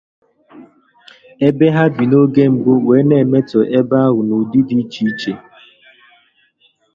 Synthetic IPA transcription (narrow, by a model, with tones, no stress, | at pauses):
e˦be˦ɦa˦bi˨no˦ɡe˦ŋ͡m̩˨ɡ͡bʊ˦we˨˦ne˨me˦tɔ˨ʔe˦ba˦a˦ɣʊ˨nu˨di˦di˦t͡ʃi˦t͡ʃe˨